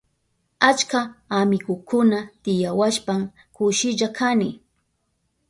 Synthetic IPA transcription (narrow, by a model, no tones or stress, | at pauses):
at͡ʃkaːmɪɡʊkʊnat̪ɪjawaʃpam | kʊʃɪʎakʰanɪ